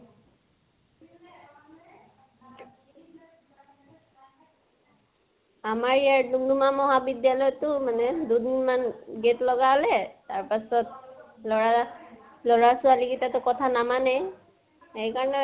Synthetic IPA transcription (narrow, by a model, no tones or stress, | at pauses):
amaɹijaɹdumdumamɔɦabidjalɔjtʊmanɛdudinmanɡetlɔɡaɦɔlɛtaɹpasɔt̚lɔɹa | lɔɹasʊaliɡitatʊkɔtʰanamanɛ | ejkaɹɔnɛ